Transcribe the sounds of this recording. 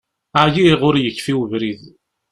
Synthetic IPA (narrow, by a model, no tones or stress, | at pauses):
ajiʁʊɾjəkːfiwəvɾið